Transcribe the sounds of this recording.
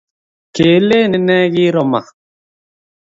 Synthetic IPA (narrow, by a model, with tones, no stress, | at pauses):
ke˨˦le˦˨ne˨nɛ˦ɣi˦ɾɔ˦ma̰˨